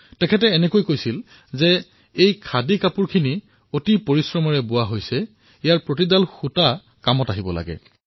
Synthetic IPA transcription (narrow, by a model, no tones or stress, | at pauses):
tɛkʰɛtɛːnɛkojkojsil | zɛ | ejkʰadikapuɹkʰini | otipoɹisɹɔmaɹɛbʊwaɦojsɛ | ijaɹpɹotidalxuta | kamɔtaɦibɔla̰ɡɛ̰